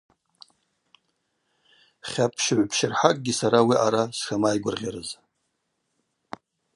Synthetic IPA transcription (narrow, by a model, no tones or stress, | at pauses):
χʲapʰʃʕʷpʰʃɪrħakʼɡʲisaɾawiʔaɾasʂamajɡʷʊrʁʲaɾɨz